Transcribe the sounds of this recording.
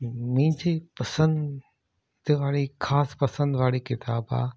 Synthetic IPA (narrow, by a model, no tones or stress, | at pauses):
mɪ̃ɦɪ̃ɲd͡ʑepɐsə̃n | d̪ʋaːɭixʰaːspɐsə̃nd̪ʋaːɭikɪt̪aːba̰ː